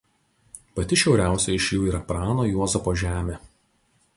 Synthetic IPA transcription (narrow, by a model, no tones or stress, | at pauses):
pɐt̪ʲɪʃʲɛʊɾʲæˑʊsʲɛɪʃʲjuːiːɾɐpɾɑːnoːjuɔzɐpoːʒʲæːmʲeː